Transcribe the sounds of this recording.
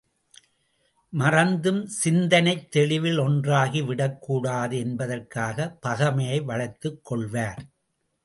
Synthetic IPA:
mɐrɐnd̪ɯmsɪnd̪ɐnɐɪt̪ːɛɭɪʋɪlɔndraːɣiʋɪɽɐkːuːɽaːðɯɛnbɐðɐrkaːɣɐpɐɣɐmɐjɐɪʋɐɻɐɪt̪ːɯkːɔɭʋaːɾ

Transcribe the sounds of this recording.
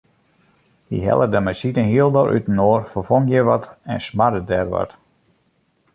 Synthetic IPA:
hḭɦɛ̰lˠədɛmɛsitənhiəlˠdoɾʔy̰tənoːrfərfoŋjɛʋɔtɛnsmadədɛrʋɔ̰t

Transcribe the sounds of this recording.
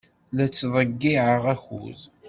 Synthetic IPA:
læt͡sːðˤəɡːiʕəʁæçṵz

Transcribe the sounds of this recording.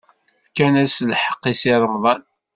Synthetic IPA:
kænæslħə̥qːisɪɾˤəˤðˤɑn

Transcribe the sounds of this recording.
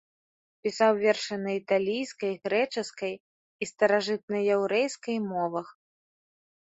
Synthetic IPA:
pʲisawvʲɛrʂɨnɐit̪alʲijskɐjɣɾɛt͡ʂɨskɐj | ist̪ɐɾaʐɨt̪̚nɐjɛwɾɛjskɐjmɔvɐx

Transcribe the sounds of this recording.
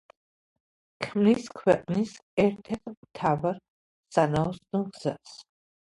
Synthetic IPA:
kʰmniskʰwɛqʼnisɛɾt̪ʰɛɾt̪ʰmt̪ʰavaɾ | sanaɔsnɔɡz̥as

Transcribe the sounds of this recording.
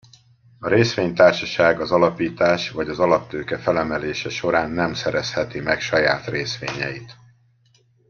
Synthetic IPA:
ɒɾeːsʋeːɲt̪aːrʃɒʃaːɡɒzɒlɒpiːt̪aːʃvɒɟɒzɒlɒpt̪øːkɛfɛlɛmɛleːʃɛʃo̞ɾaːnːɛmsɛɾɛshɛt̪imɛkʃɒjaːt̪reːsʋḛːɲɛ̰jit̪

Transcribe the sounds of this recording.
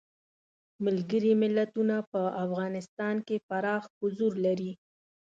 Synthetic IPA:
mɪlɡəɾimɪlːat̪unapəafɣɑnɪst̪ɑnkefaɾɑxhʊzuɾlaɾi

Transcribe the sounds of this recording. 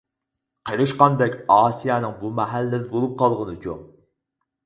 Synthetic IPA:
qʰəɾɨʃqɑnd̪ɛkʲɑːsijɛnɨŋbumɛɦælːɪd̪ɪbolˠup̚qʰɑlˠʁənɨt͡ʃʰo̰ŋ

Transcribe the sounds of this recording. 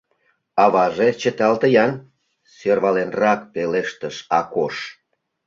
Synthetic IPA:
ɑβɑʒet͡ɕə̆t̪ɑlt̪əjɑn | sørβɑlenrɑk̚peleʃt̪əʃɑkoʃ

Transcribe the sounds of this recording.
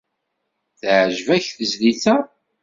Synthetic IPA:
θʕʒvæçθəzliθæ

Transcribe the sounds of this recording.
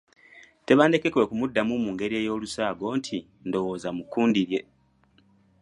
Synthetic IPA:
te̞βaːnde̞ke̞kwe̞kumudːamumuːŋɡe̞ɾie̞ːjo̞ːlusaːɡo̞ːntʰi | ndo̞wo̞ːzamukːuːndiɾje̞

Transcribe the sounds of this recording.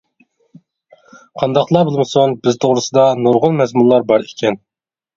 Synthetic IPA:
qʰɑnd̪ɑqlˠɑbolˠmɨsonbɪzt̪ʰoʁɾɨsɨd̪ɑnoɾʁʊlmɛzmulˠɑɾbɑɾikʲɛn

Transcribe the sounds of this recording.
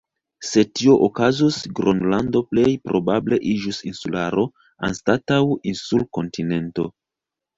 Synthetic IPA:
se̞tio̞ʔokazusɡɾʔonlando̞ple̞jpɾo̞bable̞ʔid͡ʒusinsulaɾo̞ | a̰nstatawinsulko̞ntine̞nto̞

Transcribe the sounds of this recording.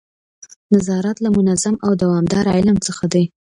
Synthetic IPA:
nazɑɾat̪lamʊnazamawd̪awɑmd̪ɑɾɑɪlamt͡səxad̪aj

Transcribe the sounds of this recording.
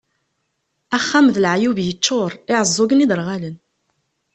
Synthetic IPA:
æχːæmðəlʕjuvjət͡ʃːʊɾˤɪʕəzˤːʊɡənid̪əɾˤʁalən

